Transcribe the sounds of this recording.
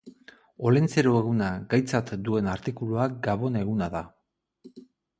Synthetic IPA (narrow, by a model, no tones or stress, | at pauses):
o̞lent͡se̞ɾoeɣ̞unaɡajt͡sat̪d̪ue̞naɾt̪ikuluakɡaβo̞ne̞ɣunaða